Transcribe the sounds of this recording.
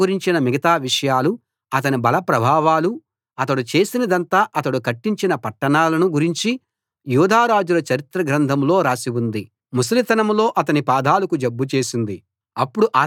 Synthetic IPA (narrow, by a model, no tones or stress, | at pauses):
uɾiɲt͡ʃinɐmiɡɐt̪aːʋiʂɐjaːlu | ɐt̪̬ɐnibɐlɐpɾɐbʱaːʋaːlu | ɐt̪̬ɐɽut͡ʃe̞ːsinɐd̪ɐnt̪aːʔɐt̪ɐɽukɐʈːiɲt͡ʃinɐpɐʈːɐɳaːlɐnuɡuɾiɲt͡ʃi | juːd̪ʱaːɾaːd͡ʒulɐt͡ʃɐɾit̪ɾɐɡɾɐnd̪ʱɐmlo̞ːɾaːsiwund̪i | mus̬ɐlit̪ɐnɐmloːʔɐt̪ɐnipaːd̪ʱaːlɐkud͡ʒebːut͡ʃe̞ːsind̪i | ɐpːuɽuʔaː